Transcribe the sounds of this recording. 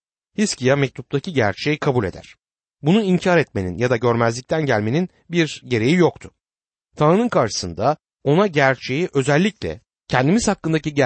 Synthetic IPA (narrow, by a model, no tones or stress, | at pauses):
hiscijamɛc̚t̪ʰup̚t̪ʰaciɟæɾt͡ʃʰejikʰabulʲe̞̰d̪æ̰ɾ̥ | bunuiɲcʰaːɾɛt̪me̞nḭnjad̪aɟø̞ɾmæzlʲict̪ʰænɟælʲme̞nin | biɾɟe̞ɾe̞jijo̞kt̪ʰʊ̥ | t̪ʰanɾɯnɯnkaɾʃɯ̥sɯnd̪a | o̞naɟæɾt͡ʃʰe̞jiʔø̞zɛlʲːiclʲɛ̰ | cʰɛnd̪imiz̥hakːɯnd̪aciɟæ